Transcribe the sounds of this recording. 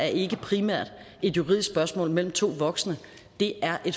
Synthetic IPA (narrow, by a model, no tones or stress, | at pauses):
æɐe̝ɡ̥əpʰʁimæɐ̰d̥ | e̝d̥juʁḭð̰ˠssb̥ɶɐsmɔ̰̽ːlmel̰m̩t͡sʰo̝̰ːʋɒ̽ɡ̥sənə | d̥e̝æɐʔe̝d̥